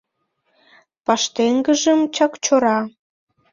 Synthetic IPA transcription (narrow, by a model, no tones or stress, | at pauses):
pɑʃt̪eŋɡəʒəmt͡ɕɑkt͡ɕoɾɑ